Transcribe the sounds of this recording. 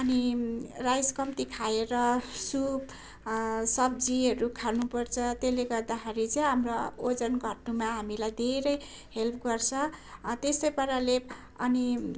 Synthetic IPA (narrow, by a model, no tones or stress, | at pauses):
ʌnirajskʌmt̪ikʰaeɾʌsub | sʌb̚d͡ziʌɾukʰalnupʌrt͡sʰʌt̪eleɡʌrd̪akaɾit͡sʌj̃ɦamrood͡zʌnɡʱʌʈnumaɦamilajd̪ʱeɾʌj | helpʰɡʌrt͡sʰʌt̪esʌjpʌɾaleb | ʌni